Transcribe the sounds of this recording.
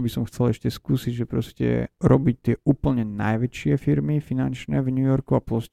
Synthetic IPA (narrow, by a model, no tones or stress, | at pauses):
bisɔmxt͡sɛlɛʃcɛskuːsiɟʒɛpɾɔscɛ̰ɾɔbic̚t̪ɪɛuːpl̩ɲɛnajʋɛt͡ʃɪɛfiɾmifinant͡ʃnɛːvɲujɔɾkuaplɔs